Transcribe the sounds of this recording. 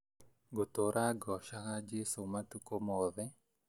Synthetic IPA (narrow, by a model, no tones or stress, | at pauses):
ɡot̪oɾʔaɡɔʃakad͡ʒesomatukomɔðɛ